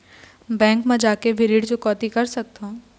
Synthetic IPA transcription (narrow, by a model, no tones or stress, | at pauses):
bɛ̃ːŋkmẽd͡ʒaːkeʋʱɪɾiːɖd͡ʒokɔːt̪ikɐɾsɐk̚t̪eũ